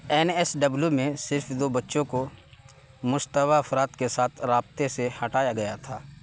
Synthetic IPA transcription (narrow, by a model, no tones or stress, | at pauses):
ɛːnɛsɖɐbljumẽsɪɾfd̪oːbɐtːʃõko | mʊst̪əwaɐfɾaːt̪kesaːt̪ʰɾaːb̚t̪esehɐʈaːjaɡɐjat̪ʰaː